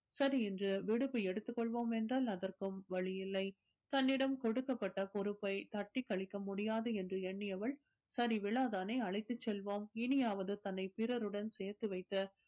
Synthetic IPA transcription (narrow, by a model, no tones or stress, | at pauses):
sɐɾiɛndrɯʋɪɽɯpːɯɛɽɯt̪ːɯkːɔɭʋoːmɛndraːlɐðɐrkɯmʋɐɭɪjɪlːɐɪ | t̪ɐnːɪɽɐmkɔɽɯkːɐpːɐʈːɐpɔɾɯpːɐɪt̪ɐʈːikːɐɭɪkːɐmʊɽɪjaːðɯɛndrɯɛɳːɪjɐʋɐɭ | sɐɾiʋɪɭaːðaːnɐɪɐɭɐɪt̪ːɯt͡ʃːɛlʋoːmɪnɪjaːʋɐðɯt̪ɐnːɐɪpɪɾɐɾɯɽɐnsɛːɾt̪ːɯʋɐɪt̪ːɐ